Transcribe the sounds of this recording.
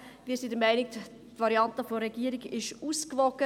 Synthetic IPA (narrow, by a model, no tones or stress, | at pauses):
ʋiːsidəmæɪnɪk̚ | tvɑɾiɑntəfoɾɛɡ̥iːəɾiɡɪʃuːskvɔkə